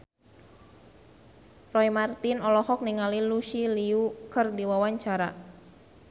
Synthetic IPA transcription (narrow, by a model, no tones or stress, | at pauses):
rɔimart̪inɔlɔhɔk̚niŋaliluʃiliukɨrdiwawaɲt͡ʃaɾa